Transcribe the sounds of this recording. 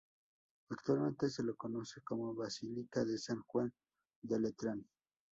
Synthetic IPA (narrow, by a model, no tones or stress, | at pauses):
akt̪walmẽ̞nt̪es̬elokonosekomoβasilikaðesaŋxwan | d̪elet̪ɾan